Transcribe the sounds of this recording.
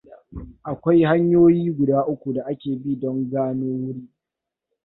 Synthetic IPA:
ʔa˨kʷa˦jha˦ɲjoː˦jiː˦ɡʷʊ˨daː˦ʔʊ˦kʷu˨da˨ʔa˦kʲeː˨bi˦dɔ˦ŋɡaː˦noː˦wʊ˦ɽiː˦

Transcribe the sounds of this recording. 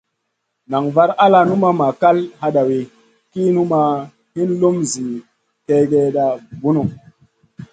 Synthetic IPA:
na˨ŋva˦ɾa˦la˦nu˦ma˦ma˨ka˦lha˦ɗa˨we˨ | ki˦nu˦ma˦ | hi˦nlo˦mzi˨ | ke˦ɡe˦ɗa˨bu˦nu˨

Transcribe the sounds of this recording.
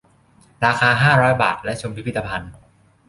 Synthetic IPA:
ɾaː˧xaː˧ɦaː˥˩ɾɔː˦˥jba̰ː˨˩t̪̚lɛ˦˥t͡ɕʰo˧mpʰi˦pʰi˥˩t̪ːa˧pʰa˧n

